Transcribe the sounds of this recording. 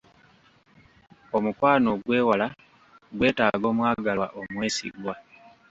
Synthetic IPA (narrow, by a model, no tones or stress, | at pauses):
o̞mukwaːno̞ɡwe̞ːwala | ɡwe̞ːtaːɡo̞ːmwaːɡalwa̰ʔo̞mwe̞ːsḭɡwa